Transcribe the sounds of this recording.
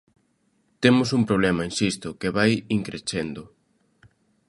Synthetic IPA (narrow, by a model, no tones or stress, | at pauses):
t̪emʊsumpɾoβ̞lɛmɐenʃist̪ʊkeβajiŋkɾet͡ʃend̪ʊ